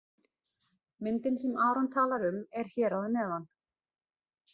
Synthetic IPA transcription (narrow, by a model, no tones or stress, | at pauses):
mɪnt̪ɪnsɛmaːɾɔnt̪ʰaːlaɾʏmɛɾ̥çɛːɾaðnɛːðan